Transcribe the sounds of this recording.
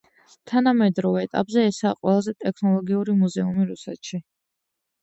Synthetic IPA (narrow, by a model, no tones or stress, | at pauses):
t̪ʰanamɛd̪ɾɔvɛːt̪ʼa̰pʼzɛːsaːqʼwɛlˠazɛt̪ʼɛkʰnɔlˠɔɡiuɾimuzɛumiɾusɛt̪ʃi